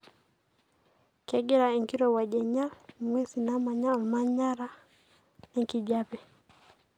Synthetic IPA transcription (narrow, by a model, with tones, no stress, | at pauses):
kɛ˨ɡɛ˦ɾa˨i˨ŋki˦ɾɔ˨wa˨ʄɛ˨ɲa˦mwɛ˦si˨na˦ma˨ɲa˦maɲa˦ɾa˦ | ɛŋki˨d͡ʒapɛ˨